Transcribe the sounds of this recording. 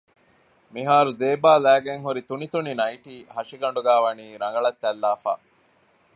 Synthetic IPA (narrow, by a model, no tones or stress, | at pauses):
miɦaːɾuzeːbaːlæːɡeŋɦuɾit̪unit̪uninɐjʈiːhɐʂiɡɐɳɖuɡæːʋɐniːɾɐŋɡɐɭɐt̪ːælːaːfa̰ː